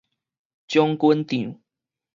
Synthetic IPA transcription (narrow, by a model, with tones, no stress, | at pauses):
t͡ɕjɔ˦ŋkwə˦nt̪i˨˩ŋ